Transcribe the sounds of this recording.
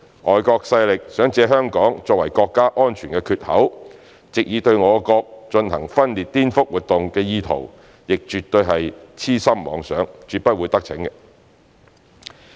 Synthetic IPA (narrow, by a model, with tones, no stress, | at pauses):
ʔɔː˨jkɔː˧k̚sɐ˧jlɪ˨k̚sœː˨˥ŋt͡sɛː˨˧ɦœː˥ŋkɔː˨˥ŋt͡sɔː˧k̚wɐ˨˩jkɔː˧kːaː˥ʔɔː˥nt͡ʃʰyː˨˩nkɛː˧kʰyː˧t̚hɐ̰˨˥w | t͡sɪ˨k̚jiː˨˧t̪ɵ˧ɥŋɔː˨˧kɔː˧k̚t͡ʃɵ˧nɦɐ̰˨˩ŋfɐ˥nliː˨˩t̚t̪iː˥nfʊ˥k̚wuː˨˩t̚t̪ʊ˨ŋkɛː˧jiː˧t̪ʰo̰˨˩w | jɪ˨k̚t͡ʃyː˨t̪ːɵ˧ɥɦɐ˨jt͡sʰiː˥sɐ˥mmɔ̰ː˨˧˥ŋsœ̰ː˨˥ŋt͡ʃyː˨t̚pɐ˥t̚wuː˨˧jt̪ɐ˥k̚t͡sʰɪ̰˨˥ŋɛ˧